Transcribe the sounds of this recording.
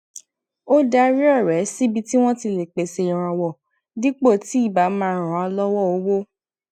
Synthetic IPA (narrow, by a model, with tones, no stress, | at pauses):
o˦da˧ɾi˦ɔ˦˨ɾɛ˨˦si˦bi˧ti˦w̃ɔ̃˦ti˧le˨k͡pe˨se˧˨ɾ̃ã˨wɔ˨ | di˦k͡po˦˨ti˨˦i˦˨ba˨˦mãː˦˨ɾ̃ɔ̃˨˦a˧lɔ˦wɔ˦˨o˨˦wo˦